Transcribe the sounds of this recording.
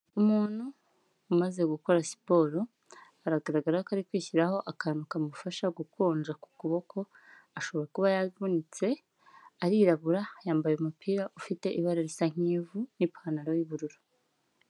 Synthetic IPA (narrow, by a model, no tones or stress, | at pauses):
umuːn̥huː | maze̞ɡuko̞ɾasi̥po̞ɾo | aɾaɡaɾaɡaɾahkaɾikwiːçiɾaho̞ʔakaːnukamufaʃaɡukwoːnd͡ʒaku̥kuβo̞kʰo̞ | aʃo̞βo̞ɾakuβajaβunit͡se̞ | aɾiɾaβuɾajaːmbajeumupiːɾaʔufite̞ʔiβaɾaɾisaŋ̥iːvunipanaɾojiβuɾuɾu